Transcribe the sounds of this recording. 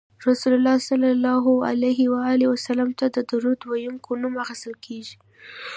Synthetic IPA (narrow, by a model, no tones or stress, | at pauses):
ɾasulʊlːɑsalːalːɑɦʊa̰lajɦɪwaɑliwasalamt̪ad̪əd̪aɾud̪wajuŋkʰonumaxɪst̪əlkʰeʒi